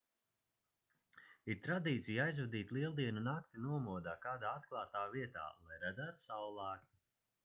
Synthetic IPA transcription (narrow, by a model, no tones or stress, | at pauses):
iɾt̪ɾad̪iːt̪sijajzvɛd̪iːt̪lˠiɛlˠd̪iɛnunak̚t̪inuɔmuɔd̪aːkaːd̪aːat̪klˠaːt̪aːviɛt̪a̰ːlˠajɾad̪zaːt̪u̥sawlˠaːknʲi